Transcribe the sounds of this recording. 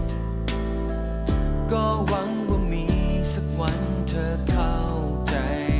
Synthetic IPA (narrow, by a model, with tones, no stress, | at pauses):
kɔː˧˩wa˧˦ŋwaː˧˩miː˧˥ | sa˨˩k̚wa˧˦˥n | t̪ʰɤː˧kʰa˧˩w | t͡ɕa˨˧j